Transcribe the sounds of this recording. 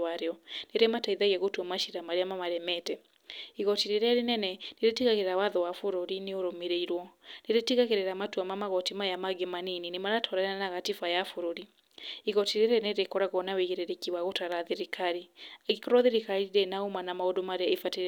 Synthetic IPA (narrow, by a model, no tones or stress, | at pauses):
aɾeɔneɾemataiðaɣɛɣotwɔmaʃiɾamaɾeamamaɾɛmɛtɛ | iɣɔtiɾeɾaɾenɛnɛneɾetiɣaɣeɾɾawaðɔwafoɾoɾineoɾomeɾeiɾwɔneɾetiɣaɣeɾeɾamatuamamaɣɔtimajamaɡemanininemaɾatʰɔɾaanaɣatifajafoɾoɾi | iɣɔtiɾeɾɛneɾekɔɾaɣɔnaweɣeɾeɾekiwaɣotaɾaðeɾikaɾiɣikɔɾwɔðeɾikaɾiɾenaomanamaodomaɾeefate